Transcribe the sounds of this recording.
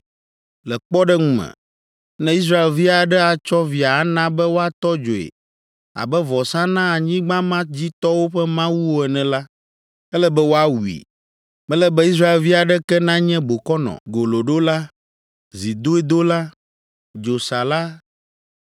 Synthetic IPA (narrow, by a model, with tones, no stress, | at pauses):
lɛ˨k͡pɔ˦ɖɛ˦ŋũ˦mɛ̰̃˨ | nɛ̃˦i˦s̬ɾa˦e˨lvi˦a˨ɖɛ˦a˨t͡ʃɔ˦vi˨a˨a˦nã˦bɛ˦wo˦a˨t̪ɔ˦d͡ʒo˨ḛ˨ | a̰˨bɛ˦vɔ˨sã˦nã˦a˨ɲĩ˦ɡ͡bã˦mã˦d͡ʑi˦t̪ɔ˦wo˦ɸɛ˦mã˦wu˦wo˦ɛ˨nɛ̃˨la˦ | ɛ˦lɛ˦bɛ˦wo˦a˦wu˨ḭ˨ | mɛ̃˦lɛ˦bɛ˦i˦s̬ɾa˦e˨lvi˦a˨ɖɛ˦kɛ˦nã˦ɲɛ̃˦bo˨kɔ˦nɔ̰̃˨ɡo˨lo˨ɖo˦la˦ | zi˨d̪o˦e˦d̪o˦la˦ | d͡ʒo˨sa˨la˦